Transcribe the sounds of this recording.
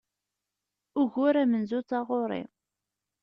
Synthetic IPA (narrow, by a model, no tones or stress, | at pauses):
ʊʝʊɾæmənzut͡sːɑʁoɾˤḭ